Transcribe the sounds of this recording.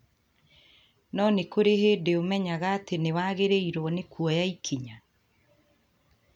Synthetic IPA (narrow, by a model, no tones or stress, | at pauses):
nɔnekoɾeheːdeomɛɲaɣaːtenewaɣeɾeiɾɔnekwɔjaikʰiɲa